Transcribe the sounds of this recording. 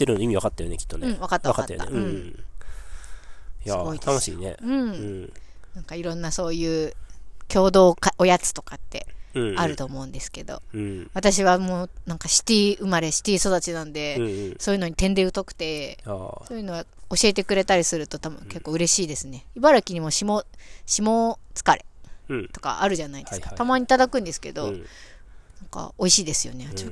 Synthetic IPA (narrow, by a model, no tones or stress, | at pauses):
t̪ːeɾɯnoimʲiβakat̪ːajo̞nekʲi̥t̪ːonɯ̟̃βakat̪ːaakat̪ːajo̰ḛɯ̟̃ɴ | jsaɨɡoit̪anoɕḭːne̞̰ɯ̟̃ | nãŋkaiɾõ̞nːaso̞ːjɯ̟ːkʲo̞ːd̪o̞ːkaojat͡sɨ̥t̪o̞kat̪ːe̞̰aɾɯ̟t̪o̞ːmo̞ɯ̟̃nd̪e̞sɨ̥ke̞d̪o̞̰βat̪aɕiβamoːnãŋkaɕi̥t̪ʲiʔɯ̟maɾe̞ɕi̥t̪eiso̞d̪at͡ɕinãnd̪e̞soːjɯ̟no̞ɲ̟it̪ẽ̞nd̪e̞ɯ̟t̪o̞kɯ̟̥t̪e̞so̞ːjɯ̟no̞βao̞ɕie̞t̪e̞kɯ̟ɾe̞t̪aɾʲisɨɾɯ̟t̪o̞t̪abɯ̰̃ke̞kːo̞ːɯ̟ɾe̞ɕiːd̪e̞sɨne̞ibaɾakʲiɲ̟imo̞ɕimoɕimo̞ːt͡sɨ̥kaɾe̞t̪o̞̥ka̰ʔaɾɯ̟ʑanaid̪eɨkat̪amaɲ̟it̪ad̪akɯ̟̃nd̪e̞sɨ̥ke̞̰d̪o̞ | nãŋka̰oiɕiːd̪e̞sɨjo̞̰ne̞a